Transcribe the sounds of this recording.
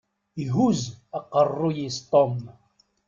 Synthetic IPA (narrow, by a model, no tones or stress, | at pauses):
iɦuzaqɑrːujist̪ˤom